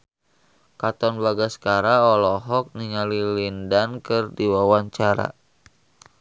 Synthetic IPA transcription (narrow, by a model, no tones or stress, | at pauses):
kat̪ɔnbaɡaskaɾaɔlɔɦɔk̚niŋalilindankɨrdiwawaɲt͡ʃaɾa̰